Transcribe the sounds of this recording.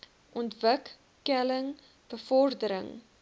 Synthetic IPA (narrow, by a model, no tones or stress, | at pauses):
ʔɔntvəkː | ɛləŋ | b̥əfɔrdəɾə̰ŋ